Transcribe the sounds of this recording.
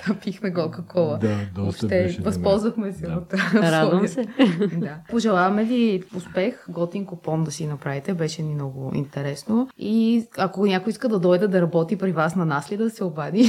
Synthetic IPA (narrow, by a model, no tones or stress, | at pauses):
ɐpixmɛkɔlˠkəkʰɔlˠəd̪aɔʃt̪ɛvɐspɔlˠzvɐxmɛsɛot̪ɾad̪vɐmsɛd̪apoʒɛlˠavɐmɛviʊspɛxɡɔt̪iŋkopɔnd̪ɐsinɐpɾavit̪ɛbɛʃɛnimnɔɡʊḭnt̪ɛɾɛsnoiɐkonʲakoiskəd̪ɐd̪ɔjd̪ɛd̪ɐɾɐbɔt̪ipɾivasnɐnaslid̪ɐsɛobad̪i